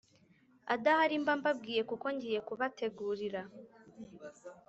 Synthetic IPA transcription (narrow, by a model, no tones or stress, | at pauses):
adahaɾimbambab̚ɡiːjekuko̞ɲɟije̞kuβatʰe̞ɡuːɾiɾa